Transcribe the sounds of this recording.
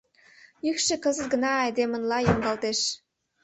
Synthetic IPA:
jykʃĕkɤ̆zə̆t̪̚ɡə̆nɑɑjd̪emə̆nlɑjoŋɡɑlt̪eʃ

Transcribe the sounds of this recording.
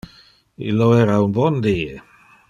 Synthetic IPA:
ḭlɔɛɾawnbɔndiː

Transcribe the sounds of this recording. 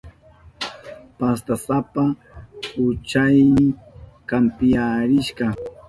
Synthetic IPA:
past̪asapa | ʊt͡ʃajnɪŋkampɪjaɾɪʃɢɑ

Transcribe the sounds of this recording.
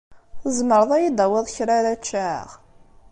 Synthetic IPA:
θəzməɾˤəðˤæjid̪æwəðˤçɾaɾæt͡ʃːæ̰ʁ

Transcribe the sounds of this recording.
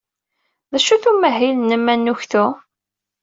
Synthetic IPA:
ðæʃuθumæɦilnəmːænːuçθu

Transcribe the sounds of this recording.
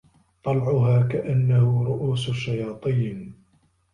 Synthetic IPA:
t̪ˤɑlʕʊɦaːkaʔanːahʊɾˤʊʔuːsʊʃːajɑːt̪ˤiːn

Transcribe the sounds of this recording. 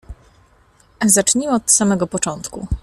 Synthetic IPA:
zat͡ʂɲiwɔt̪samɛɡɔpɔt͡ʂɔnt̪kṵ

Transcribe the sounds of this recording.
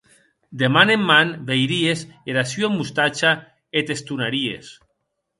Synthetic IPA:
d̪emanemːanβejɾiezeɾasjoemːust̪at͡ʃa | et̪est̪unaɾiḛs

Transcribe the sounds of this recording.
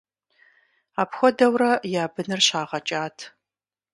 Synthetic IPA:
aːpxʷɔdɐwrɐjaːbɨnɨrɕaːʁɐt͡ʃʼaːtʰ

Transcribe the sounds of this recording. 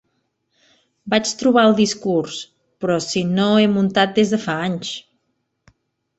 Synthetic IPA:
bat͡ʃt̪ɾuβ̞aəlˠd̪iskuɾs | pɾɔsinoemunt̪at̪̚d̪ezðəfaaɲs

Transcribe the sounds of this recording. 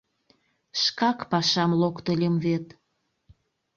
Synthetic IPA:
ʃkɑkpɑʃɑmlokt̪əlʲəmβet̪

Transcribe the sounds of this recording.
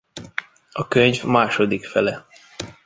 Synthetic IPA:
ɒkøɲvmaːʃo̞d̪ikfɛlɛ

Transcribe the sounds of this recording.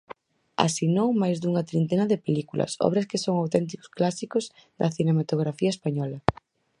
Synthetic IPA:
a̰sinowmajzðuŋɐt̪ɾint̪enɐðepelikulʔɐ̰sɔ̰β̞ɾɐskɪsoŋawt̪ɛnt̪̬ikʊ̥sklasikʊz | d̪ɐθinemat̪oɣɾafiɐespaɲɔlɐ

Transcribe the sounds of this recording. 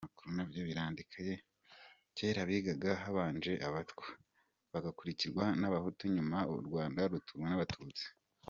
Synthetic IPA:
amakuɾunabjoβiɾaːndikʰaje̞ | ceːɾaβiːɡaɡaɦaβaːnd͡ʒe̞ʔaβatkwe | βaɡakuɾiciɾɡwanaβahutoɲumaɾɡwaːndaɾutʰuwenaβatʰuːt͡si̥

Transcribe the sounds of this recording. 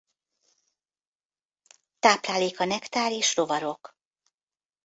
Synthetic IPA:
t̪aːplaːleːkɒnɛkt̪aːɾeːʃro̞vɒɾo̞k

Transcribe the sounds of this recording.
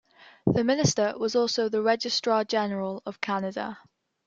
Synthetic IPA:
ðəmɪnɪstəwɒzɔˑlˠsoʊðəɹɛd͡ʒɪstɹ̥əd͡ʒɛnəɹələv̥kʰanədə̰

